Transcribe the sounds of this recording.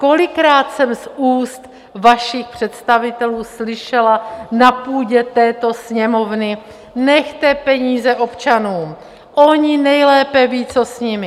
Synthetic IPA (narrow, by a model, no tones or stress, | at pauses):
ko̞lɪkɾaːt̪sɛmsuːst̪ | vaʃɪxpr̝̥ɛt̪st̪avɪt̪ɛluːslɪʃɛlanapuːɟɛt̪ɛːt̪o̞sɲɛmo̞vnɪ | nɛxt̪ɛpɛɲiːzɛʔo̞pt͡ʃanuːm | ʔo̞ɲɪnɛjlɛːpɛviːt͡sosɲɪmɪ